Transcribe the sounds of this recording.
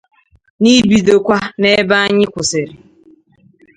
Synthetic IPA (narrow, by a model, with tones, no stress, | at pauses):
ni˦bi˨do˨kʷa˦ne˦ba˦a˦ɲɪ˦kʷʊ˨sɪ˨ɾɪ˨